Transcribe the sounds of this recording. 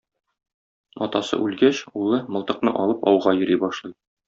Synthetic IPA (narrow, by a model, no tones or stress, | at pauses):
ɒt̪ɑsɤ̰ʔʉlɡæɕulˠɤmɤ̆lˠt̪ɤ̆q̚nɤʔɒlˠɤpɒwʁɑjɵ̆ɾibɒʃlˠɤj